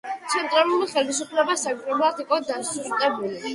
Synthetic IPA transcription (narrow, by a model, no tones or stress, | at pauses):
t̪sʰɛnt̪ʼɾalˠumiχɛlisupʰlɛbasaɡɾɔblˠad̪iqʼɔd̪asuɾt̪ʼɛbuli